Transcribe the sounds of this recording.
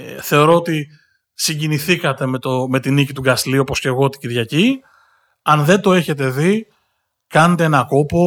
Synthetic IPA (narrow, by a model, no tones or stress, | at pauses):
θe̞o̞ɾo̞ot̪i | siɲɟiniθikɐt̪e̞met̪ome̞t̪inicit̪uɡɐsliuopo̞sce̞ɣo̞t̪i̥ciɾʝɐci | ɐnðe̞nd̪o̞e̞çe̞t̪e̞ði | kɐnet̪e̞e̞nɐko̞po